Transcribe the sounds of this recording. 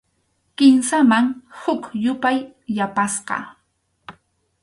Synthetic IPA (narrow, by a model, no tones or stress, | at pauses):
kɪmsamaŋhʊkjʊpajːapasqɑ̰